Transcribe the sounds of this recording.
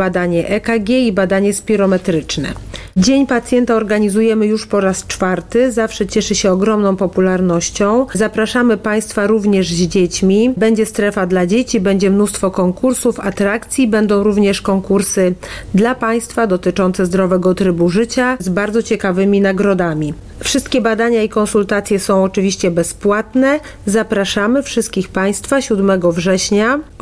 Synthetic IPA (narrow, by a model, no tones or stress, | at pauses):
bad̪aɲɛʔɛkaɡʲɛibad̪aɲɛspʲiɾɔmɛt̪ɾɘt͡ʂnɛ̰d͡ʑeɲpat̪sʲjɛnt̪aɔɾɡaɲizujɛmɘjuʂpɔɾast͡ʂfaɾt̪ɘzafʂɛt͡ɕɛʂɘɕɛɔɡɾɔmnɔ̃w̃pɔpulaɾnɔɕt͡ɕɔ̃w̃zapɾaʂamɘpaj̃st̪faɾuvɲɛʐʑd͡ʑet͡ɕmʲibɛɲd͡ʑɛst̪ɾɛfad̪lad͡ʑet͡ɕibɛɲd͡ʑɛmnust̪fɔkɔŋkuɾsufat̪ɾakt̪sʲjibɛnd̪ɔ̃w̃ɾuvɲɛʂkɔŋkuɾsɘd̪lapaj̃st̪fad̪ɔt̪ɘt͡ʂɔnt̪sɛzd̪ɾɔvɛɡɔt̪ɾɘbuʐɘt͡ɕazbaɾd̪zɔt͡ɕɛkavɘmʲinaɡɾɔd̪amʲi | fʂɘst̪̚kʲɛbad̪aɲaikɔnsult̪at̪sʲjɛsɔ̃w̃ɔt͡ʂɘvʲiɕt͡ɕɛbɛspwat̪nɛ | zapɾaʂamɘfʂɘst̪̚kʲixpaj̃st̪faɕud̪mɛɡɔvʐɛɕɲa